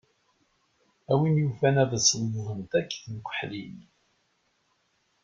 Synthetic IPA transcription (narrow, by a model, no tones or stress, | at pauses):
æwinjufænæðəsəlːəðˤənt̪ækːθnkʷːəħlin